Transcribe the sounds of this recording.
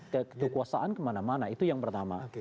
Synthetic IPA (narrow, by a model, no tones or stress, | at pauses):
kəəkəkuasaʔankəmanamanait̪ujaŋpərt̪ama̰